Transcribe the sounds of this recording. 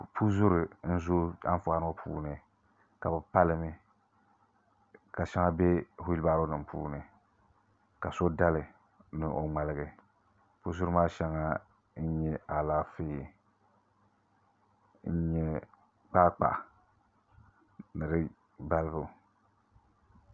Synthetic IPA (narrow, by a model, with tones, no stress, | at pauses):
pʰu˦zʊ˦ɾɨ˨n̩˦zo˦a̰˦n˦fʊ˨a˦n˦o˦pʰṵː˦nɨ˨ | ka˨bɨ˨pa˦lɨ˨mɨ˦ | ka˨ʃɛ˦ŋa˦be˦hʊ˦ji˦lbaː˦ɾo˦nɨ˨mpʰṵː˦nɨ˨ | ka˨so˦da˦lɨ˨ | nɨ˨ʔo˨ŋ͡ma˨lɨ˦ɡɨ˨ | pʊ˦zʊ˦ɾɨ˦maː˦ʃɛ˦ŋa˦ | n̩˦ɲɛ˦a˨la˦feː˦˨ | n̩˦ɲɛ˦ | k͡pa˦k͡pa̰˨ | nɨ˨ɾɨ˦ | ba˦lɨ˦bʊ˨